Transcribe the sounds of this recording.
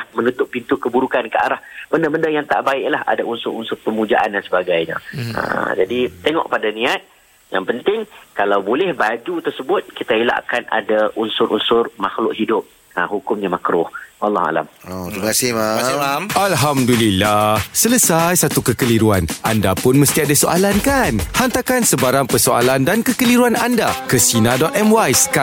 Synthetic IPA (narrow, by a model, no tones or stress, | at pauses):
hmənut̪ʊʔpint̪ukəbuɾukankəa̰ɾahb̥əndəbəndajaŋt̪a̰ʔbaɪʔlaha̰daunsʊɾunsʊrpəmud͡ʒa̰ʔandansəbaɡajɲã̰ə̰d͡ʒadit̪eŋɔ̰ʔpadanĩat̪̚ | ja̰ŋpənt̪ɪŋkalawbolɛhbad͡ʒut̪ərsəbʊt̪̚kit̪aila̰ʔkana̰daʔunsʊɾʔunsʊrmaxlʊʔɦidʊp̚ | ahukʊmɲamakɾʊhwalːɑha̰la̰mot̪ɾibakasɪhaamʔalɦamdulilːahsələsajsat̪ukəkəliɾuanʔandapʊnməst̪iadasoʔa̰lankanhant̪akansəbaɾaŋpərsoa̰landankəkəliɾuanandakəsinadɔt̪ɛmwajska